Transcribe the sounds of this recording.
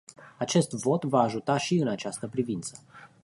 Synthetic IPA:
at͡ʃe̞st̪vo̞t̪vaːʒut̪aʃiɨnat͡ʃast̪əpɾivint̪sə̥

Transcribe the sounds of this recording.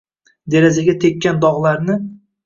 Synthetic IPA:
d̪e̞ɾazaɡʲat̪ʰekʲːand̪ɒʁlˠaɾnɪ

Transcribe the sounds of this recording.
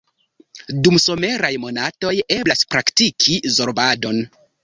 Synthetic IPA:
dumso̞me̞ɾajmo̞nato̞je̞blaspɾaktikʰizo̞ɾbado̞n

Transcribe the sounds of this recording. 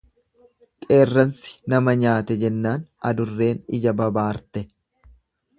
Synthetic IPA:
kʼe̞ːrːɐnsɪ̥nɐmɐɲaːt̪ɛd͡ʒɛnːaːnɐ̰d̪ʊrːe̞ːnɪ̰d͡ʒɐbɐbaːɾt̪ɛ

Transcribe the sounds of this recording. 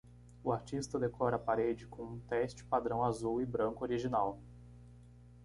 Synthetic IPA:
ʊaɾt͡ʃist̪ɐd̪ekɔɾɐapaɾed͡ʒɪkõũt̪ɛst͡ʃɪ̥pad̪ɾɐ̃w̃azuwɪbɾɐ̃ŋkʊoɾiʒinaw

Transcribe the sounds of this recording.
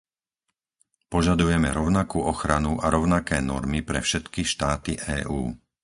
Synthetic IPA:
pɔʒad̪ujɛmɛɾɔʊnakuːʔɔxɾanuʔaɾɔʊnakɛːnɔ̰ɾmipɾɛ̰fʃɛt̪kiʃt̪aːt̪iʔɛːʔuː

